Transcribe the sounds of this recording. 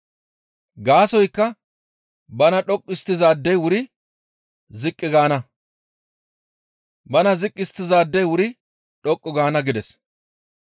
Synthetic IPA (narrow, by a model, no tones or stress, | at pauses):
ɡaːsɔjkːɐ | bɐnɐᶑɔkʼːɪst̪ːɪzaːd̪ːɛjwʊɾɪ | zɪkʼːɪɡaːnɐ | bɐnɐzɪkʼːɪst̪ːɪzaːd̪ːɛjwʊɾɪ | ᶑɔkʼːɔɡaːnɐɡɪd̪ɛs